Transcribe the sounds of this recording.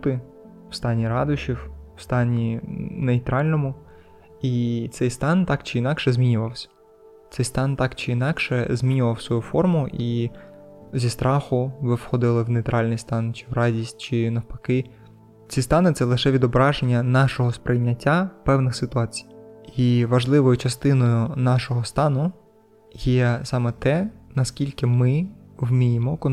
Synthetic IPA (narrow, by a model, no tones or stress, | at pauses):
t̪ɪ | w̥st̪ɑnʲiɾɑd̪ʊʃiww̥st̪ɑnʲinejt̪ɾɑlʲnɔmʊ | it̪sɛjst̪ɑnt̪ɑkt͡ʃɪinɑkʃɛzʲmʲinʲʊʋɐwsʲɐ̥ | t̪sɛjst̪ɑnt̪ɑkt͡ʃɪinɑkʃɛzʲmʲinʲʊʋɐwsʋɔjufɔrmʊʔi | zʲist̪ɾʔɑxʊʋɪwxɔd̪ɪlˠɪwnejt̪ɾʔɑlʲnɪjst̪ɑnt͡ʃɪ̥wɾɑdʲisʲt̚ʲt͡ʃɪnɐwpɐ̥kɪ | t͡sʲist̪ɑnɪt̪sɛlˠɪʃɛʋʲid̪ɔbɾɑʒenʲːɐnɑʃɔɦɔspɾɪjnʲːɐtʲːapɛwnɪxsɪt̪ʊɑt͡sʲi̥jiʋɐʒlˠɪʋɔjʊt͡ʃɐst̪ɪnɔjʊnɑʃɔɦɔst̪ɑnʊ | jɛsɑmɛt̪ɛnɐskʲilʲkɪmɪwmʲijɪmɔkɔ